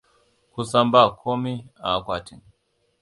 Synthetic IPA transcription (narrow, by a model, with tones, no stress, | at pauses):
ku˦sa˦mba˦˨kʰo˦mi˦a˨˦kwa˨ti˨ŋ